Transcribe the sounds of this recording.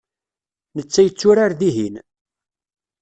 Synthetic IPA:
nət͡sːæjət͡sːʊɾaɾðiɦin

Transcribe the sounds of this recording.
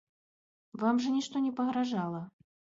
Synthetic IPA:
vamʐɐnʲiʂt̪ɔnʲɛpɐɣɾaʐalˠɐ

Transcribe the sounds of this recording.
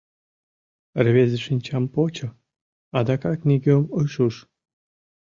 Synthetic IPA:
rβezeʃinʲt͡ɕɑmpot͡ɕɤ̆ | ɑd̪ɑkɑknʲiɡʲomoʃuʃ

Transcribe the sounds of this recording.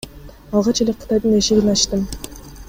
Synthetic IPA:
ɑlˠʁɑt͡ʃelʲeqʰɯ̥t̪ɑjd̪ɯneʃeɡinɑʃt̪ɯm

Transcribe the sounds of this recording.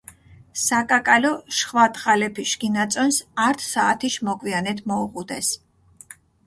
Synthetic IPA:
sakʼakʼalɔʃχwat̪ʼχalɛpʰiʃɡinat̪sʼɔnsaɾt̪ʰsaːt̪ʰiʃmɔkʼwianɛt̪ʰmɔuʁʼud̪ɛs

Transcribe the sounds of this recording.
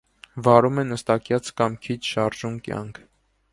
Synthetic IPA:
vɑɾumɛnəst̪ɑkjɑt͡sʰkɑmkʰit͡ʃʰʃɑɾʒumkjɑ̰ŋkʰ

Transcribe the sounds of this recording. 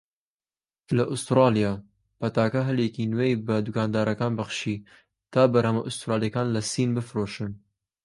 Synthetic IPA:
lɐʔʊst̪ɾɑːlijɑː | pɐt̪ɑːkɐɦɐljɛkinwejbɐd̪ukɑːnd̪ɑːɾɐkɑːnbɐχʃi | t̪ʰɑːbɐɾhɐmɐʔʊst̪ɾɑːljɛkɑːnlɐsiːnbɨfɾoʃɨn

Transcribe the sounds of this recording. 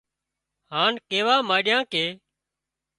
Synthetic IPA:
haːnkeːʋaːmaːɪɗɪjãːkeː

